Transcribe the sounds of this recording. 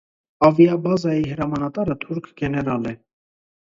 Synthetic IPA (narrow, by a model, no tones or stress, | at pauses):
ɑvjɑbɑzɑjiɦəɾɑmɑnɑt̪ɑɾət̪ʰuɾkʰɡɛnɛɾɑlɛ